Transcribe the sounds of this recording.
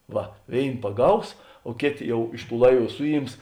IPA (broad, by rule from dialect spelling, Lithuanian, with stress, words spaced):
ˈʋɐ ˈʋʲeːɪn pɐˈɡɐʊs oː ˈkʲeːˌtʲeː ˈjɛʊ ˈɪʃ ˌtuː ˈlˠɐɪˌʋuː ˈsʊˌjiːms